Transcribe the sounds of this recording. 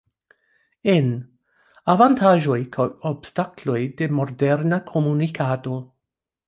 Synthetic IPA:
en | avantaʒo̞jkʰawobstaklo̞jde̞modeɾnakʰomunikʰato̞

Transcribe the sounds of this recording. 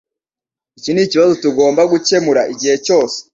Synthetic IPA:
iciniciβazo̞tuɡo̞ːmbaɡuce̞muɾaʔiɟihe̞co̞ːse̥

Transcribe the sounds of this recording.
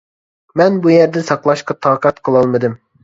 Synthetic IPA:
mɛnbujɛɾd̪ɛsɑqlˠɑʃqɑt̪ʰɑːqɑt̪qʰəlˠɑlˠmɨd̪ɨm

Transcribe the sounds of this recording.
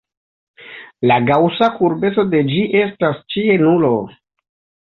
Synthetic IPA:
laɡawsakuɾbe̞t͡so̞de̞d͡ʒiʔe̞stast͡ʃie̞nulo

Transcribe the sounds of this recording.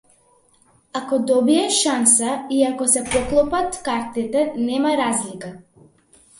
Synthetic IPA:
akɔd̪ɔbiɛʃansaiakɔsɛpɔklˠɔpat̪kaɾt̪it̪ɛnɛmaɾazlika

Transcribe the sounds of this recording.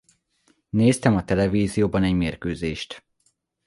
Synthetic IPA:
neːst̪ɛmɒt̪ɛlɛviːzijoːbɒnɛɟmeːrkøːzeːʃt̪

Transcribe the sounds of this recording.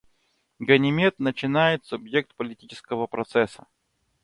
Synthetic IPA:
ɡənʲɪmʲet̪nət͡ɕɪnajɪt̪sʊbjek̚t̪pəlʲɪtʲit͡ɕɪ̥skəvəpɾɐt̪sɛsə

